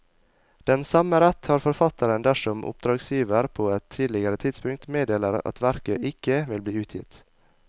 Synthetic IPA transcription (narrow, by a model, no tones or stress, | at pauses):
d̪̥ɛnsɑməɾɛt̪hɑːɾfɔɾfɑt̪ʰəɾənd̪æʂɔmʔʊ̰p̚d̪ɾɑːɡsjiːʋəɾpʰoːɛt̪ʰːiːd̪lɪɡəɾət̪ʰɪd̪spʉŋkt̪meːd̪eːləɾɑ̰t̪ʋæɾkəʔɪkəʋɪlbliːʉːt̪ʰjɪ̰t̪